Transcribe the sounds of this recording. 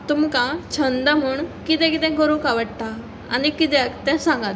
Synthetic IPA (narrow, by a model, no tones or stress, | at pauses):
t̪umkãt͡ɕʰənd̪am̤uːɳkit̪ɛ̃kit̪ɛ̃kəɾũkaʋəɽt̪a | anikit̪ɛ̃kt̪ɛ̃sãŋɡat̪